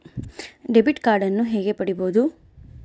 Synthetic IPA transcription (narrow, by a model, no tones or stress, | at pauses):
ɖebiʈkaːɾɖɐnːuɦeːɡe̞pɐɽiboːd̪u